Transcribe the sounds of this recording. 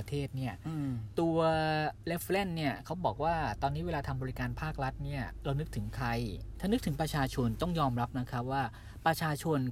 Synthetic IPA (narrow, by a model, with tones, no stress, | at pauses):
t̪ʰeː˥˩t̪̚ni˥˩ɐt̪u˧ɐle˦˥fle˥˩nːi˥˩ɐkʰa˦˥wbɔː˨˩k̚waː˥˩t̪ɔː˧nːi˦˥we˧laː˧t̪ʰa˧mbɔː˧ɾi˦˥kaː˧npʰaː˥˩k̚ɾa˦˥t̪̚ni˥˩ɐɾa˧wnɯ˦˥k̚t̪ʰɯ˩˦ŋkʰɾa˧jt̪ʰaː˥˩nɯ˦˥k̚t̪ʰɯ˩˦ŋpɾa˧t͡ɕʰaː˧t͡ɕʰo˧nt̪ɔ˥˩ŋjɔː˧mɾa˦˥p̚na˦˥kʰa˦˥p̚waː˥˩ | pɾa˧t͡ɕʰaː˧t͡ɕʰo˧n